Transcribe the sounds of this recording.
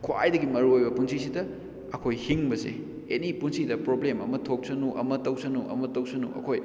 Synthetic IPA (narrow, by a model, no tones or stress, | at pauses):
kʰwa̰jdɐɡimɐɾuojbɐpunsisidɐ | ɐkʰojhiŋbɐsḛ | enipunsidɐpɾoblemɐmɐtʰok̚sɐnuʔɐ̰mɐtɐwsɐnuʔɐ̰mɐtɐwsɐnṵʔɐ̰kʰoj